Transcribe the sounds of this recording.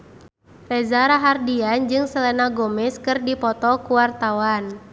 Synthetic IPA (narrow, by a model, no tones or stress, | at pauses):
rɛzaɾaɦardiand͡ʒɨŋsəlɛnaɡɔmɪskɨrdipɔt̪ɔkuwart̪awan